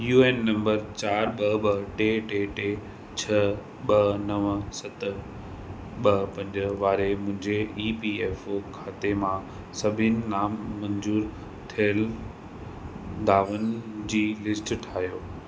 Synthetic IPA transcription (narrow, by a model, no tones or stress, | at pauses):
juːeːnːɐ̃mbəɾt͡ɕaːɾɓɐɓɐʈeʈeʈeː | t͡ɕʰɐ | ɓɐnɐʋsɐt̪ | ɓɐpɐ̃ɲd͡ʑəʋaːɾemʊ̃ɦɪ̃ɲd͡ʑeiːpiːeːfokʰaːt̪emã | sɐbʱɪnɪ̆naːmːɐ̃ɲzuːɾ | t̪ʰiəl | d̪ʱaːʋənd͡ʑiːlɪsʈʈʰaːɦijoː